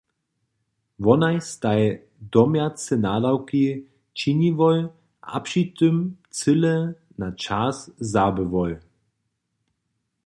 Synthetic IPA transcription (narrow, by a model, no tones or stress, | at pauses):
vɔnajst̪aj | d̪ɔmjat͡sɛnaːdawki | t͡ʃiɲivɔl | ʔa̰pʃit̪ʏm | t͡sɨlɛ | nat͡ʃaszabəvɔj